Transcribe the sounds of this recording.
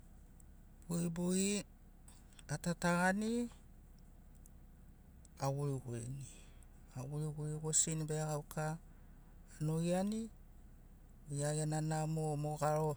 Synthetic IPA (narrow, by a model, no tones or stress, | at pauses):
b̥uibui | atataɾani | awuɾiɡuḛni | awuɾiɡuɾiɡosinibeaɡawkʰaː | no̞jani | jajananamomoɡaɾo̞